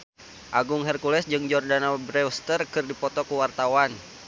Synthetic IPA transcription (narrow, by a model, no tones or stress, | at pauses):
ʔaɡʊŋɦɛrkulɛsd͡ʒɨŋd͡ʒɔrdanabɾɛwst̪ərkɨrdipɔt̪ɔkuwart̪awan